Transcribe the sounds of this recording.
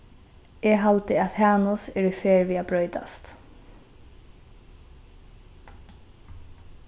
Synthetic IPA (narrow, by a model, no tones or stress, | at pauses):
ɛɦalt̪ɪaðhaːnʊsɛɹʏfɛːɹviːabɾœːʏt̪a̰st̪